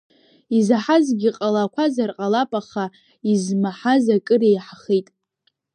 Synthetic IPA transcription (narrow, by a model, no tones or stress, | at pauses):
izaħazɡʲiqʼalakʷʰazarqʼalapʼaχa | izmaħazakʼɨrejħaχejtʼ